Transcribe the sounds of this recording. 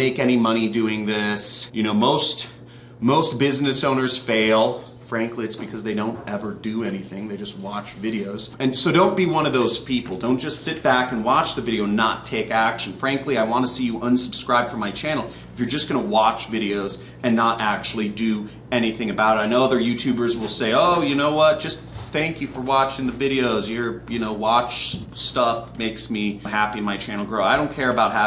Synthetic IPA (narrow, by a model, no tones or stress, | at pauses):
meɪkɛnimʌɾ̃idʉɪ̃ŋðɪsjɨñoʊmoʊst | moʊst̚b̥ɪznɨsõʊ̃nə˞z̥feɪlˠ | fɹæ̃ŋkliɨtsb̥ɨkʰʌzðeɪɾõʊ̃ntɛvə˞dɨɛniθɪ̃ŋðeɪd͡ʒʌst̚wɑt͡ʃvɪɾioʊzɨ̃nsoʊɾõʊ̃nb̥iwʌ̃nʌvðoʊz̥pʰipl̩ˠdõʊ̃nd̥ʒ̥ʌstsɪt̚b̥ækɨ̃nwɑt͡ʃðɨvɪɾioʊ̃nːətʰeɪkækʃɨ̃n̩fɹæ̃ŋkliaɪwɑ̃ntʰɨsijɨʔʌ̃nsəb̥skɹaɪb̚d̥fə̃˞maɪt͡ʃʰæ̃nl̩ˠ | ɨfjə˞d͡ʒʌsɡ̥ʌnəwɑt͡ʃvɪɾioʊz | ɨ̃nːəɾʔæk̚t͡ʃul̩ˠidɨ | ɛniθɪ̃ŋɨbaʊɾɨɾaɪnoʊʌðə˞jʉtʰʉbə˞zwəlˠseɪoʊjɨnoʊwʌt̚d̥ʒ̥ʌs | θæ̃ŋkjɨfə˞wɑt͡ʃɪ̃ŋðɨvɪɾioʊzjə˞jɨnoʊwɑt͡ʃstʌfmeɪksmiɦæpiɨ̃nmaɪt͡ʃʰæ̃nl̩ˠɡɹoʊaɪɾõʊ̃nkʰɛɹɨbaʊt̚ha